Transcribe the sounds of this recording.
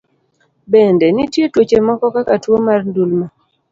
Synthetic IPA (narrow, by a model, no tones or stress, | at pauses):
bɛndɛnitjetwot͡ʃemɔkɔkakatwomarndulma